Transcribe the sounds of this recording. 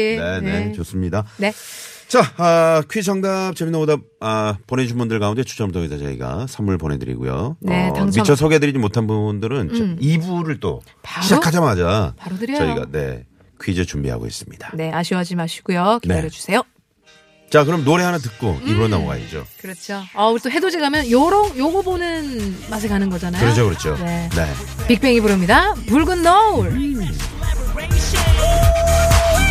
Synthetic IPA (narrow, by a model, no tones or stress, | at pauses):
nenet͡ɕos͈ɯmɲidanet͡ɕaʌkʰɥid͡ʑʌŋdap̚t͡ɕeminomoda | ʌpone̞d͡ʑunbundɯɭkaunde̞t͡ɕʰu̥t͡ɕ͈ʰʌmtʰoɡisʰat͡ɕʌḭɡa̰sʰamuɭpone̞dɯ̰ɾḭɡṵjo̰neamit͡ɕʰʌsʰoɡe̞dɯɾid͡ʑimotʰanbubundɯɾɯnt͡ɕʌibuɾɯɭt͈o̰ | pɕʰi̥akʰad͡ʑamad͡ʑapaɾdɯɾt͡ɕʌiɡa̰ne̞̰ | kʰɥid͡ʑet͡ɕumbḭɦa̰ɡo̰ḭs͈ɯmɲid̥ḁne̞aɕʰiwad͡ʑimaɕʰi̥ɡujokiaɾjʌd͡ʑu̥sʰe̞jo | t͡ɕakɯɾʌmnoɾe̞ɦanat̬ɯk̚k͈oibuanːa̰moɡa̰ḭt͡ɕo̰kɯɾʌt͡ɕʰoʌuɾit͈oɦe̞dod͡ʑeɡamjʌnjoɾoŋjoɡobonɯnmas̬ʰeɭkanɯnɡʌd͡ʑanajoɾʌt͡ɕʰokɯɾʌt͡ɕʰone̞ne̞̰pik̚p͈e̞ŋibuɾɯmɲidapuɭɡɯnːouɭ